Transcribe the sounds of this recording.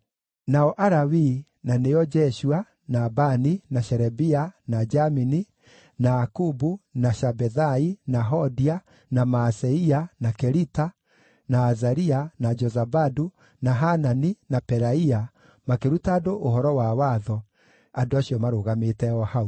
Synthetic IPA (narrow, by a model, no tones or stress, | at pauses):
naɔʔaɾawi | nanejɔd͡ʒɛʃua | nabaninaɕɛɾɛbianad͡ʒamini | naakubunaʃabɛðainaɦɔdia | namasɛianakɛɾita | naːzaɾianad͡ʒɔzabadu | naɦananinapɛɾaia | makeɾutaːdoʔoɦɔɾɔwawaðɔ | andoaɕiɔmaɾoɣametɛɔhau